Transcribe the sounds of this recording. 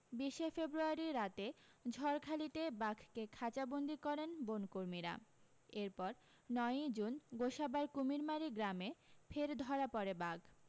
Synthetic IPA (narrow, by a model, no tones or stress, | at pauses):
biʃefebɾuaɾiɾat̪ed͡ʑʱɔɾkʰalit̪ebakʰkekʰat͡ɕabond̪ikɔɾenbonkoɾmiɾa̰ | eɾpɔɾ | nɔed͡ʑunɡoʃabaɾkumiɾmaɾiɡɾamefʰeɾd̪ʱɔɾapɔɾebaɡ